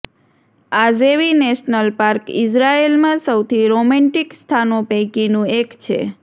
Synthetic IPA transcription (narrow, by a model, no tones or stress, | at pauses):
azeʋineʃnəlpaɾkḭsɾaelmãsəwt̪ʰiɾomɛ̃ɳʈikst̪ʰanopə̃jkinũekt͡ʃʰḛ